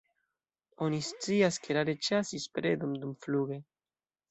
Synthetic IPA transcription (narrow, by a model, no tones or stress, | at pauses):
onistt͡siaskeɾaɾet͡ʃasispɾed̪umd̪umfluɡe